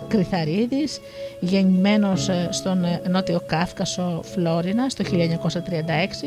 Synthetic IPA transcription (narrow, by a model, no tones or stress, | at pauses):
kɾiθɐɾiðis | ʝe̞ɲime̞no̞sst̪o̞nno̞t̪io̞kɐfkɐso̞flo̞ɾinɐst̪o̞çilʎɐeɲɐko̞sɐt̪ɾiɐnd̪ɐe̞ksi